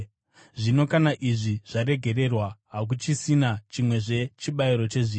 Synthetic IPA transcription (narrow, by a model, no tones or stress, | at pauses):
ʐino̞kanaʔiʐiʐ̥aɾe̞ɡʱe̞ɾe̞rwaɦak̬ut͡ʃisinat͡ʃimwe̞ʐe̞t͡ʃiɓaiɾo̞t͡ʃe̞ʐiː